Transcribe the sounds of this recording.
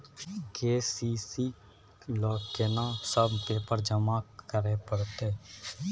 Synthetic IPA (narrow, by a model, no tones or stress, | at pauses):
keːsiːsiː | lɔːkenãsəbpeːpəɾd͡ʒəmaːkəɾepəɽt̪eː